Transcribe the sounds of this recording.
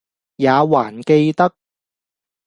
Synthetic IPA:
jaː˨˧waː˨˩nke˧jt̪ɐ˥k̚

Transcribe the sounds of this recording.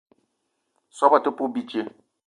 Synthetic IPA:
sɔ˦ba˨tɪ˦pʊ˦bi˦t͡ʃe˦

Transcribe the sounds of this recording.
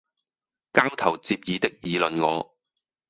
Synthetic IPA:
kaː˥wt̪ʰɐ˨˩wt͡siː˧p̚jiː˨˧t̪ɪ˥k̚jiː˨˧lɵ˨nŋɔː˨˧

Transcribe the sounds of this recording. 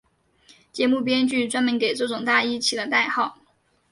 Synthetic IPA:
t͡ɕjɛ˧˥mu˥˩p̬jɛ˥nt͡ɕy˥˩t͡swa˥nmə˧˥nke˨˩ɪʈ͡ʂɤ˥˩ʈ͡ʂʊ˨˩ŋt̪a˥˩i˥t͡ɕʰi˨˩d̪ə˦t̪a˥˧ɪxɑ˥˩ʊ

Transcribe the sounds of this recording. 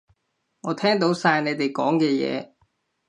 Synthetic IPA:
ŋɔː˨˧t̪ʰɛː˥ŋt̪o˨˥wsaː˧jne˨˧jt̪e˨jkɔ̰ː˨˥ŋkɛː˧jɛ̰ː˨˧

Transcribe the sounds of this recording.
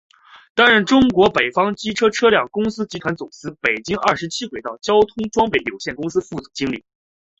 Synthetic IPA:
t̪a˥nɻə˥˩nʈ͡ʂʊ˥ŋkwɔ˧˥pe˨˩ɪfɑ˥ŋt͡ɕi˥ʈ͡ʂʰɤ˥ʈ͡ʂʰɤ˥ljɑ˥˩ŋkʊ˥ŋsɹ̩˥t͡ɕi˧˥t̪ʰwa˧˥nt͡sʊ˨˩ŋsɹ̩˥pe˨˩ɪt͡ɕi˥ŋʔɐ̰˥˩ʂɻt͡ɕʰi˥kxwe˨˩ɪt̪ɑ˥˩ʊt͡ɕjɑ˥ʊt̪ʰʊ˥ŋʈ͡ʂwɑ˥ŋpe˥˩ɪljo˨˩ʊɕjɛ˥˩nkʊ˥ŋsɹ̩˥fu˥˩t͡su̥˨˩t͡ɕi˥ŋli˨˩˦

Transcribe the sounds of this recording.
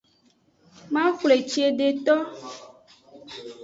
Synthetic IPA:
mã˦xle˨t͡ʃi˦e˨ɖe˨t̪ɔ˦

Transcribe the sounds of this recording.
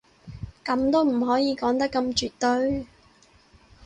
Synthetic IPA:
kɐ˨˧mt̪o˥wm̩˨˩ɦɔː˨˥jiː˨˧kɔː˨˥ŋt̪ɐ˥kːɐ˧mt͡ʃyː˨t̚t̪ɵ˥˧ɥ

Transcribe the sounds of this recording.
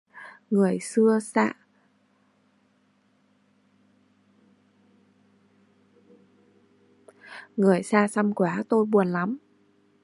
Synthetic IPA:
ŋɨ˨˩əjsɨ˧əsa̰ː˧˨ | ŋɨ˨˩əjsaː˧sa˧mkwaː˨˦t̪o˧jɓu˨˩ənla˨˦m

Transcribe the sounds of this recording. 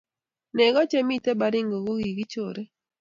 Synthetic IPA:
nɛ˨ɡɔ˦t͡ʃɛ˦mi˦te˦ba˦ɾɪ˦ŋɡo˨ɡo˦ɡi˨ɡi˦t͡ʃo˨ɾe˦

